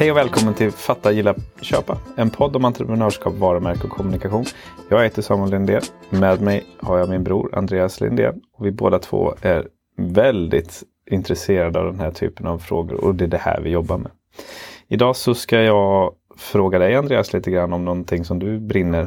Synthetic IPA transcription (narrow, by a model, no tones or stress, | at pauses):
hɛjɔvɛːlkʰɔmːənt̪ʰɪlfat̪ːajɪlːaɕø̰ːpaɛnpʰɔd̪ːɔmant̪ɾəpɾɛnœːʂkɑ̰ːpvɑːɾəmæɾkəɔkʰːɔmɵnɪkaɧuːnjɑːɡɛːt̪əsɑːmənlɪnd̪eːmɛːd̪mɛjhaɾjɑmɪnbɾṵːɾa̰nd̪ɾeːaslɪ̰nd̪ḛːɔvɪbo̰ːd̪at̪ʰvo̰ːæɾ | vɛld̪ɪ̰t̪ | ɪnt̪ɾɛseːɾad̪əa̰vd̪ɛnɦæʈʰy̰ːpənavfɾo̰ːɡʊ̰ɾɔ̰d̪ɛd̪ɛhæ̰ːɾvɪjɔbːaɾmɛ̰ | ɪd̪ɑːsɔskajɑː | fɾoːɡad̪ɛjand̪ɾeːasliːt̪əɡɾanːɔmnɔnt̪ʰɪŋːsɔmd̪ɵbɾɪnːəɾ